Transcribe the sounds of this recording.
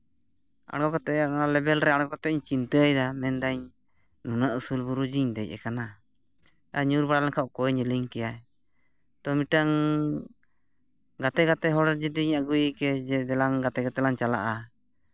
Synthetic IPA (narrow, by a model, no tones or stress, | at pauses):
a̰ɽɡɔkat̪ɛʔanalɛbɛlɾɛaɽɡɔkat̪ɛʔɲt͡ʃint̪əjd̪amɛnd̪aɲ | nunaʔusulbuɾud͡ʒiɲd̪ɛj̚ʔɛ̰kana | aɲuɾbaɽalɛŋkʰaʔkɔɛɲəliŋkɛjaɛ | t̪ɔmiʈaŋ | ɡat̪ɛɡat̪ɛɦɔɽɛd͡ʒɛd̪iɲaɡujkɛd͡ʒɛd̪ɛlaŋɡat̪ɛɡat̪ɛlaɲt͡ʃala̰ʔa